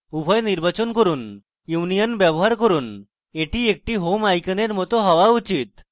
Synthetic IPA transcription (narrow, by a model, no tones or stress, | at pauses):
ubʱɔjniɾbat͡ɕɔnkəɾuːn | juʋnijənbjəboɦaɾkəɾuːn | eʈʰiek̚ʈiɦomajkəneɾmɔt̪ɔɦɔʋaut͡ɕit̪